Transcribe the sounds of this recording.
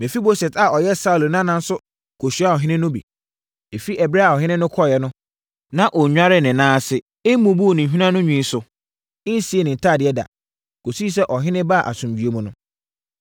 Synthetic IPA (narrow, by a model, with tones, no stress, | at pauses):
mɛ̃˨fi˦bo˦sɛ˨tʰa˨ɔ˨jɛ˦sa˦u˨lo˨nã˦nã˦n̩˦sʊ˦ | kʰo˨ɕi˨˦a˦ɔ˨ɦɪ̃˦nɪ̃˦nʊ̃˦bḭ˨ | e˨fi˦ɛ˨bɾɛ˦a˨ɔ˨ɦɪ̃˦nɪ̃˦nʊ̃˦kʰɔ˦˨jɛ˦nʊ̃˦ | nã˦ʔɔ˨˦ɲᶣa˦ɾɪ˦˨nɪ̃˨nãː˦sɪ˨ | ɪ˦mũ˨bu˦o˨nɪ̃˨ɦᶣĩ˦nã˦nʊ̃˦ɲᶣĩ˨˦sʊ˨ | ɪ˦n̩˦si˨˦e˦˨nɪ̃˨n̩˨tʰaː˦˨dɪ˨ɛ˦da̰˨ | ko˨si˦i˦sɛ˦ʔɔ˨ɦɪ̃˦nɪ̃˦ba˦˨ʔa̰˨sũ˨mbɥe˦mũ˨nʊ̃˦